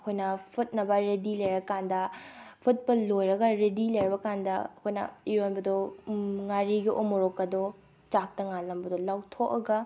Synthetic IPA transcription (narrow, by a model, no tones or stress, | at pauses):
ɐkʰojnɐpʰut̚nɐbɐɾedilɐjɾɐkandɐpʰut̚pɐlojɾɐɡɐɾedilejɾɐbɐkandɐɐkʰojnɐ̰iɾonbɐdoŋaɾiɡiʔomoɾokːɐdo | t͡ʃak̚tɐŋalɐmbɐdolawtʰokɐɡɐ